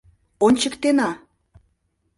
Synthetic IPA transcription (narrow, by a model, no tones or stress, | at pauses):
onʲt͡ɕəkt̪enɑ